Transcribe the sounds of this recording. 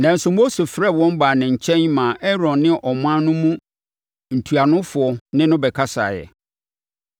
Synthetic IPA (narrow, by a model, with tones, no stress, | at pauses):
nã˨n̩˨sʊ˨mo˦se˨fɾɛ˦˨wɔ̃˦m˦baː˨nɪ̃˨ɲ̩˨t͡ɕʰɛ̃˦ɲmãː˨ʔɛ˦ɾɔ̃˨nːɪ̃˦ʔɔ˨m˦ã˦nʊ̃˦mũ˦ | n̩˨tʰu˨a˨nʊ̃˦fʊ˨ɔ˨nɪ̃˦nʊ̃˦bɛ˨kʰa˦sa̰˨jɛ̰˨